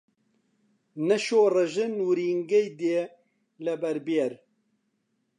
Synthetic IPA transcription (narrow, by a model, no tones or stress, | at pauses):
nɛʃoːrɐʒɨnwɾiːŋɡɛjd̪eː | lɛbɛɾbeɾ